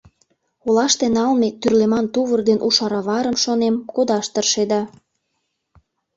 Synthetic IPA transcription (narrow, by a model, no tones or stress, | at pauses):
olɑʃt̪enɑlmet̪yrlemɑnt̪uβərd̪enʔuʃɑɾɑβɑɾəmʃonemkod̪ɑʃt̪ərʃed̪ɑ